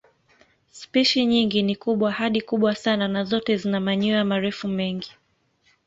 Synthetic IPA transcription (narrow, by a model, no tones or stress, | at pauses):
spiʃiɲiŋɡinikuɓwahaɗikuɓwasananazɔtɛzinamaɲuamaɾɛfumɛŋɡi